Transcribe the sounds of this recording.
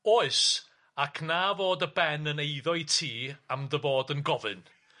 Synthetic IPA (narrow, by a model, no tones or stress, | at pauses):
ɔɨs | akʰnavoːdəbɛnənejðɔɨtʰiːamðəvoːdənɡɔvɨn